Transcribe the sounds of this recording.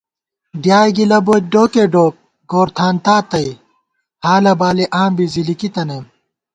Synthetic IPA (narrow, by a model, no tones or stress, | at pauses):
ɖjaːjɡilɐboːt̪̚ɖoːkeɖoːk̚ | ɡoːɾt̪ʰaːnt̪aːt̪ɐj | haːlɐbaːliʔaːmbizilikit̪ɐnem